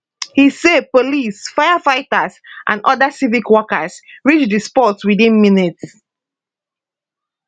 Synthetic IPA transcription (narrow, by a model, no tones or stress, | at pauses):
hisepolisfajafaɪtasʔã̰nʔɔdasivikwɔkəsɹit͡ʃdispɔtswidĩnminit